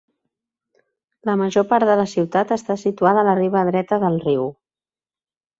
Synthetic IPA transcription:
ləməʒopaɾt̪ðələsiwt̪at̪əst̪asit̪uaðəːləriβ̞əːðɾɛt̪əðəlˠriw

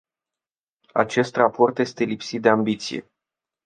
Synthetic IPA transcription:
a̰t͡ʃe̞st̪rapo̞rt̪je̞st̪e̞lipsit̪̚d̪e̞ambit̪sḭje̞̰

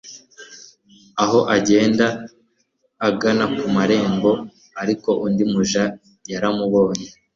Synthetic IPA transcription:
aɦo̞ʔaɟe̞ːnda | ɡanakumaɾe̞ːŋbo̞ | aɾiko̞ʔundimuʒa | jaɾamuβo̞ːɲe

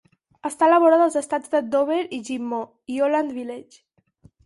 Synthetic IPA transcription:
əst̪aələβoɾaðəlˠzəst̪azd̪əd̪oβeɾiʒimːo | ioland̪βilɛt͡ʃ

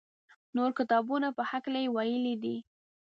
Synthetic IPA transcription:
noɾkɪt̪ɑbunapəhaklajewajəlid̪i

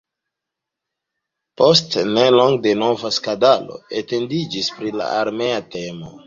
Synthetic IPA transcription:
po̞stneloŋɡde̞novaskadalo̞̰ete̞ndid͡ʒispɾila̰aɾme̞atemo̰

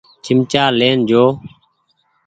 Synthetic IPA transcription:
t͡ʃʰɪmt͡ʃaːleːnd͡ʒoː

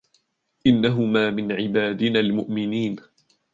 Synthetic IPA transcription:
ʔɪnːaɦʊmaːmɪnʕɪbaːd̪ɪnaːlmʊʔmɪniːn

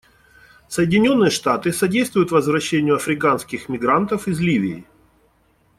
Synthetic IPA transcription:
səjɪdʲɪnʲo̞nːɨjəʂt̪at̪ɨsɐdʲejst̪vʊjʊt̪vəzvɾɐɕːenʲɪjʊɐfɾʲɪkanskʲɪxmʲɪɡɾant̪əfɪzlʲivʲɪː

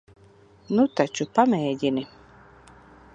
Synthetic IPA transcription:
nut̪at͡ʃupamɛːɟini

